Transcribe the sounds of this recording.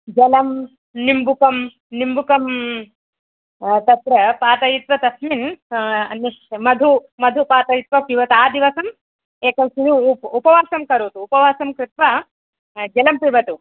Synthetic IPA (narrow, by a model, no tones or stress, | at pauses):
d͡ʒɐlɐm | nimbukɐm | nimbukɐm | t̪ɐt̪ɾɐpaːt̪ɐjit̪ʋɐt̪ɐsminɐniʃmɐd̪ʱumɐd̪ʱupaːt̪ɐjit̪ʋɐpiʋɐt̪aːd̪iʋɐsɐm | eːkɐmsinupupɐʋaːsɐmkɐɾoːt̪uːpɐʋaːsɐmkɾɪt̪ʋɐ | d͡ʒɐlɐmpɾiʋɐt̪u